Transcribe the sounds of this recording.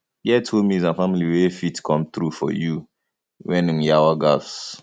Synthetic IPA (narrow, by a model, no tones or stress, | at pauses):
jɛtʰomizãnfamiliwefitkʰɔ̃mθɹufɔ̰ju | wɛ̃nĩŋjawaɡafs